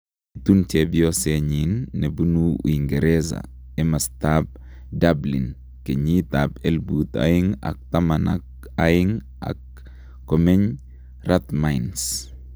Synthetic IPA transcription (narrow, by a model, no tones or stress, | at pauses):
itunt͡ʃɛbijɔsɛɲinːebunṵiŋɡeɾɛza̰ | ɛmastab̚ | dablḭn | keɲitabelbut̪a̰iŋa̰k̚tamana̰k̚ | ajiŋ | ʔa̰kː | ɔmɛɲ | ratmajns